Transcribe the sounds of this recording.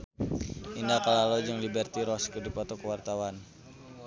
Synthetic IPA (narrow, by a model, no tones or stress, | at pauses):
indakəlalod͡ʒəŋlibɛrt̪iɾɔskədipɔt̪ɔkəwart̪awan